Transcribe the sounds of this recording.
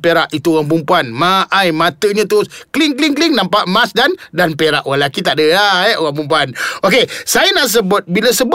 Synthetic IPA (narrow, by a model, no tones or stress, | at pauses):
peɾaʔit̪uoɣaŋp̬umpuanmaʔajmãt̪əɲãt̪ʊsklɪŋklɪŋklɪŋnampaʔmasdandanpeɾa̰ʔwalakit̪aʔdəaɛʔoɣaŋp̬umpuanokesajanaʔs̬əbʊt̪̚biləsəb